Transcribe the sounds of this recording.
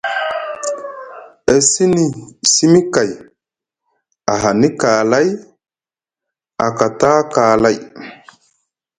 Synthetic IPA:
e˨si˦ni˨si˦mi˦ka˨j | a˨ɦa˨ni˦ka˨la˦j | a̰˨ka˨ta˦ka˨la˦˨j

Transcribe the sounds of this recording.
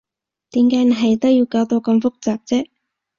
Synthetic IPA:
t̪iː˨˥mkaː˨˥jn˨˩ɦɐ˨jt̪ɐ˥wjiː˧wkaː˨˧˥wt̪o˧wkɐ˧mfʊ˥k̚t͡saː˨˩p̚t͡sɛː˥

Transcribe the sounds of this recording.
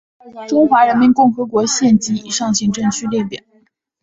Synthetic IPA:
ʈ͡ʂʊ˥ŋxwa˧˥ɻə˧˥nmi˧˥nkʊ˥˩ŋxɤ˧˥kwɔ˧˥ɕjɛ˥˩nt͡ɕi˥ḭ˨˩ʂɑ˥˧ŋɕi˧˥ŋʈ͡ʂɤ˥˩ŋt͡ɕʰy˥ljɛ˥˩ɪt̪jɛ̰˨˩˦n

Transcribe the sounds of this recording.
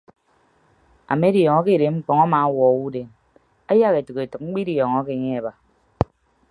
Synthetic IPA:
a̰˨me˦djɔ˨ŋɔ˦ke˦˨ɾe˨ŋ͡m̩˦k͡pɔ˨ŋa˦ma˨˦wɔ˨u˦de˨m | a˦ja˦ke˨tɨ˨ke˨tɨ˨k̚ŋ͡m̩˦k͡pi˦di˨jɔ˨ŋɔ˦ke˨ɲe˦e˨ba˨

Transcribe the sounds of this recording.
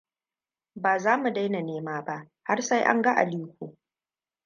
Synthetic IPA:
baː˨zaː˦mu˨da˦jna˨neː˦maː˦ba˦ʔ | ha˦rsa˦jʔa̰˦ŋɡɐ˦ʔa̰˨liː˦kʷoː˨

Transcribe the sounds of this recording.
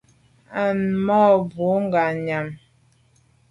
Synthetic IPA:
a˨nmɔ˦bo˨˦ŋ˦ɡa˨ɲa˨m

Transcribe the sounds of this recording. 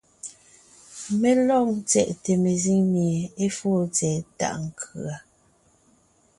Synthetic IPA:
me˦lɔ˦˨ŋt͡sɛ̰˦˨ʔte˨me˨zi˦ŋmje˨e˦foː˦˨t͡sɛː˨ta̰˦˨ʔŋ˨kʰʉ˨a˨

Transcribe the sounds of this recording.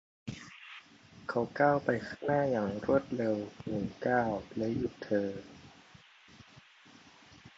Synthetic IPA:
kʰa˦˥wkaː˥˩wpa˧jkʰaː˥˩ŋnaː˥˩jaː˨˩ŋɾu˥˩ət̪̚ɾe˧wmu˨˩˦kaː˥˩wlɛ˦˥ju˨˩t̪ʰɤː˧

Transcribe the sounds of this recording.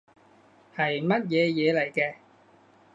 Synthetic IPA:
hɐ˨jmɐ˥t̚jɛː˨˧jɛː˨˧lɐ˨˩jkɛː˧

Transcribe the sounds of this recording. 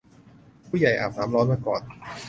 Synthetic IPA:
pʰuː˥˩ja˨˩jʔa̰ː˨˩p̚naː˩˦mlɔː˦˥nmaː˧˩kɔ̰ː˨˩n

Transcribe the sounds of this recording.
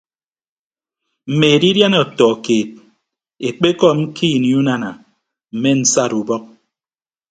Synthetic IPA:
m̩˨me˨e˨di˦dja˦nɔ˨tɔ˨keː˨t̚ | e˨k͡pe˦kɔ˦m̩˦kʰiː˦˨ni˨˦u˦na˦na˨ | m̩˨me˦n̩˦sa˦˨ɾu˨bɔ˦k̚

